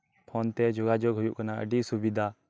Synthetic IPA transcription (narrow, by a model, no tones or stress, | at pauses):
pʰɔnt̪ɛd͡ʒɔɡad͡ʒɔɡɦujuʔkanaʔə̰ɖisubid̪ʱa